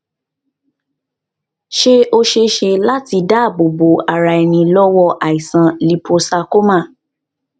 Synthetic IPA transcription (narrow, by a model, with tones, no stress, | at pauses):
ʃe˦ʔo˧ʃe˧ʃe˧la˦ti˧da˦˨bo˨bo˨a˨ɾa˧˨ɛ˧nĩ˧lɔ˦wɔ˧ʔa˨i˨sã˨li˧pʰo˧sa˧ko˦mã˦˨